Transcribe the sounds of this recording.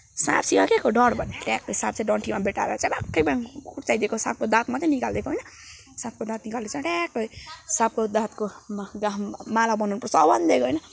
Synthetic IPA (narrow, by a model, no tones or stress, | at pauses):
sa̰b̚siakekoɖʌɽbʱʌneʈakːʌsab̚t͡sʰãɖʌɳʈʰimabeʈa̰ɾet͡sãbakːʌjbakuʈt͡sajd̪ekosa̰p̚kod̪ãt̪mʌt̪enikald̪ekoɦjnʌ | sãp̚kod̪ãt̪̚nikald̪et͡sãʈakːʌjsap̚kod̪ãt̪koɡamalabʌnunpʌsʌbʌnd̪d̪ekoɦʌjnʌ